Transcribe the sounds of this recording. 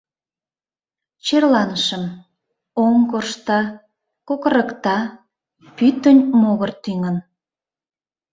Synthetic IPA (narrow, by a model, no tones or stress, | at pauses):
t͡ɕerlɑnəʃəm | oŋkorʃt̪ɑ | kokəɾəkt̪ɑ | pyt̪ːənʲmoɣərt̪yŋən